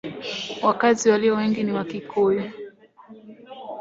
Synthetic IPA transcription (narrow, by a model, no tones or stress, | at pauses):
wakaziwaliɔwɛŋɡiniwakikʰɔji